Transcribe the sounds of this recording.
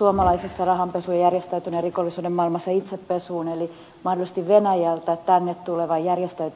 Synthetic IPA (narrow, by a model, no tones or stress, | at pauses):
uomɑlɑisesːɑrɑhɑmpesujɑjærjest̪æyt̪ynerrikolːisuːdemmɑilmɑsːɑit̪seppesuːneli | mɑhdolˑisest̪iʋʋenæjælt̪æett̪ænːet̪t̪uleʋɑjjærjest̪æyt̪